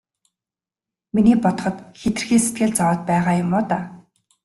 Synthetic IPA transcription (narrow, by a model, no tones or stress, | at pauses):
miniːpɔt̪ɞ̥̆χɞ̆t̪xet̪ɘ̆rxiːset̪̚ɡɘ̆ɮt͡sawaːt̪̚pæːʁaːjʊmːʊːt̪aː